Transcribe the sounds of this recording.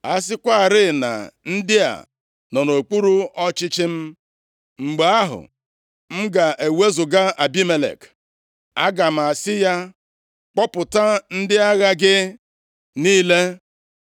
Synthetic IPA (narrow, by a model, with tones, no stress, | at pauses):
a˦s̬ɪ˦kʷa˦a˨ɾɪ˦˨na̰˨n̩˦dɪ˦a̰˨ | nɔ˨no˨k͡pu˦ɾu˦ɔ˦t͡ʃɪ˦t͡ʃɪ˦m̩˦ | ŋ͡m̩˨ɡ͡be˨a˦ɦʊ̰˨ | m̩˦ɡa˨ʔe˨we˦zʊ˨ɡa˦a˨bi˦me˨lḛ˨k | a˦ɡa˨m̩˨a˨sɪ˦ja˦ | k͡pɔ˦pʊ˨ta˦n̩˦dɪ˦a˦ɣa˦ɡɪ˦ | niː˦le˦